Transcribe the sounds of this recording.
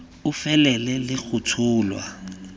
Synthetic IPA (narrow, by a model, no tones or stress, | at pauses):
ʊfɛlɛlɛlɪk͡xʰʊtʰʊːlwa̰